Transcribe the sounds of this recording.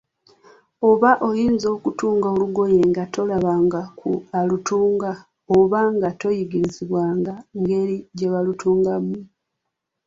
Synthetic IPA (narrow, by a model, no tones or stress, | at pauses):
o̞βaʔo̞jiːnzo̞ːkutuːŋɡaoluɡo̞je̞ŋɡato̞laβaːŋɡakualutuːŋɡa | oβaŋɡato̞jiɡiɾiziβwaːŋɡaŋɡe̞liɟe̞βalutuːŋɡamːu